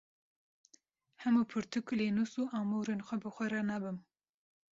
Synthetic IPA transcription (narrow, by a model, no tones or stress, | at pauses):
hɛmupʰɨɾt̪ʰɨkleːnusuːʔaːmuɾenxʷɛbɨxʷɛɾanabɨm